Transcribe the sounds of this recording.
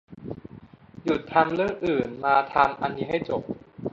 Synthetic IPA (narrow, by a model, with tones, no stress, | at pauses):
ju˨˩t̪ʰːa˧mlɯ˥˩ŋʔɯː˨˩nmaː˧t̪ʰaː˧mʔa̰˧nmiː˧ɦa˥˩jt͡ɕo˨˩p̚